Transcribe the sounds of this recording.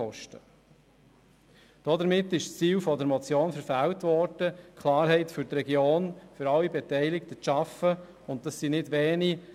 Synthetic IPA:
ɔʃtə | d̥ɔdəɾmɪtːɪʃst͡siːlfɔdəɾmɔt͡sjoːnfəɾfæwtʋɔɾd̥əkʰlɑːɾɦɛɪtfʏɾtɾɛɡjoːnfʏɾɑlːibɛtɛɪlɪkt̪ətʃɑfə | ʊnttɑsːinɪdʋɛːni

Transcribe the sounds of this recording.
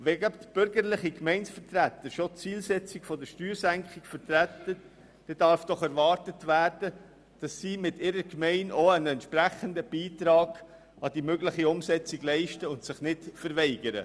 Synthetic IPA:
ʋɛɡœptb̥ʏɾɡəɾlɪχikmɛɪnsfəɾtɾæt̪ːəɾʃot͡siːlsɛt͡siɡ̥fɔdəɾʃtyːɾsæŋkχɪkfəɾtɾæt̪ə | d̥ɛdɑɾfd̥ɔχɛɾʋɑːɾtətʋæːɾd̥ə | d̥ɑsːiːmɪtɪɾəkmɛɪnoənɛntʃpɾæχəndəb̥iːtɾɑːɡ̥ | ɑdimøɡlɪχiʊmsɛt͡siɡ̥lɛɪʃtəʊntsɪχnɪtfəɾvɛɪɡəɾə̰

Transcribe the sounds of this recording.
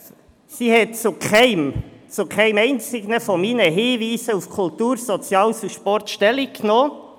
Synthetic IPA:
sihɛtt͡sokʰɛɪmt͡sokʰæɪmɛɪnt͡sɪɡnəfɔmiːnəɦɪːʋiːsəufkʰult̪uːɾsɔt͡sjɑːlsuʃpɔɾtʃtɛliknoː

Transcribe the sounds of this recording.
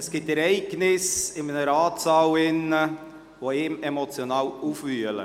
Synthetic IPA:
ɛsɡ̥ɪtɛɾɛɪɡ̥nɪsɪmənəɾɑːt͡sɑːwɪnːə | ʋoɪːmɛmɔt͡sjonɑːwuːfʋyələ̰

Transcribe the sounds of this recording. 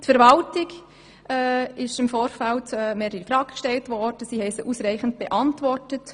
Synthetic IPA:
tfɛɾʋɑltɪɡ | ʔɛːɪʃɪmfoːɾfæltɛːmeːɾəɾifɾɑːɡ̥kʃtɛltʋɔrd̥əsiːhɛɪsəʔuːsɾæɪχən̩t̚b̥eʔɑntʋɔrtət

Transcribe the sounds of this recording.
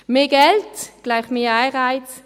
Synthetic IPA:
meːɡɛltɡ̥laɪχmeːaɪʁaɪt͡s

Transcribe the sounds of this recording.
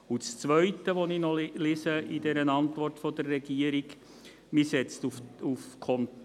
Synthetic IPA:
ut͡st͡sʋœʏtəʋɔninɔlɪsəidɛɾənɑntʋɔrtfɔd̥ərːɛɡiəɾiɡ | misɛt͡stufufkʰɔn

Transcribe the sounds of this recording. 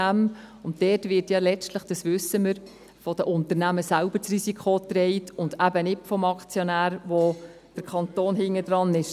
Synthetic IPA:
æmʊnttɛːtʋɪɾtjɑlɛt͡stləχd̥ɑsʋʏsːəməɾ | fɔd̥əʔʊntəɾnæməsælb̥ət͡sɾisikʰχot̪ɾɛɪtʰʊnd̥æbənɪtfɔmɑkt͡sjɔnæːɾʋo | d̥əɾkʰɑnt̪oːnɦɪŋːəd̥ɾɑnɪʃ

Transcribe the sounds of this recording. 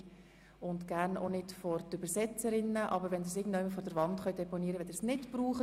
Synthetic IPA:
ʊntɡ̥æːɾno̰nɪtfɔɾtʏbəɾsɛt͡səɾɪnːəʔɑbəɾʋɛnd̪ɪsɪːɡŋ̩doʊɪməɾfɔɾdəɾvʋɑntχœɥdɛpɔniəɾəʋɛdəsnɪtbɾuːχə

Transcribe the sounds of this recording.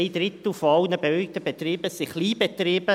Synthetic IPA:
ɪd̥rɪt̪l̩foɑlnəbeœʏk̚t̪əbet̪riːb̥əsɪχliːbet̪riːb̥ə

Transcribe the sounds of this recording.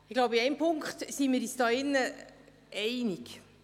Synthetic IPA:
ɪɡ̥laʊbiɛɪmpʰʊŋkχtsiːmɪːɾisd̥ɑːɪnːə | ʔɛɪnik

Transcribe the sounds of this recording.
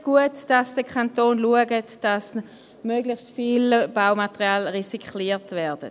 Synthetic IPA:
ɡ̥uətd̥asd̥əkʰantoːnluəɡətd̥as | møɡlɪçstfilb̥awmatəʁiaːlʁisikχliːtvɛɐd̥ə

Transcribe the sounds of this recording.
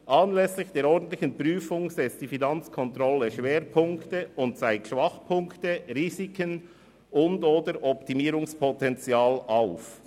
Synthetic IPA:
ʔɑnlɛslɪçd̥eːɾɔɾdn̩tlɪçənpryːfʊŋzɛt͡std̥iːfinɑnt͡skʰɔntɾɔləʃveːɾpʰʊŋktəʊntsaɪkʃv̥ɑχpʰʊŋktəʁiːzikən | ʔʊndoːdəɾʔɔptimiːɾʊŋspʰɔtɛnt͡sjaːlʔaʊf

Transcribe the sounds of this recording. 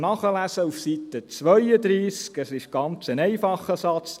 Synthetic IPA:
nɑχəlæsəufsit̪ət͡sʋœʏəd̪ɾiːskəsɪʃɡ̥ɑnt͡sənɛɪfɑχːəsɑt͡s

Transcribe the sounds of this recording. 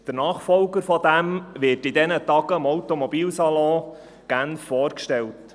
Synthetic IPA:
d̪̥əɾnɑːχfɔlɡəɾfɔd̪æmʋɪrtid̪ɛnətɑɡ̥əmɔwtomɔbiːlsɑlɔ̃ː | ɡ̥ænffɔːɾkʃtɛlt

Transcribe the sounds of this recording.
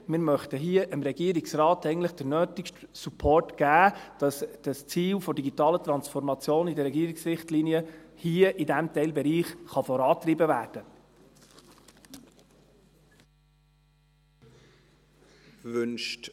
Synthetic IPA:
mɪɾmœχtəɦiəʔəmɾɛɡiəɾiksɾɑːtɛɪɡntləχd̥əɾnøːtɪkʃtsupʰɔrtɡ̥æːd̥ɑsd̥ɑst͡siːlfɔdiɡitɑːlət̪ɾɑnsfɔɾmɑt͡sjoːnidəɾɛɡiəɾiksɾɪχtliːniəhiəʔidæmtɛɪlbɛɾiːχχɑfɔɾɑːtɾibəvæːɾd̥ə | vʏnʃt

